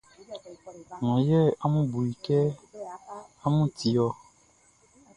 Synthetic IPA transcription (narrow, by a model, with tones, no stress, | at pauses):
ŋɔ̃˨jɛ˦a˦mũ˦bu˨i˨kɛ˦ | a˦mũ˦ti˨jɔ˦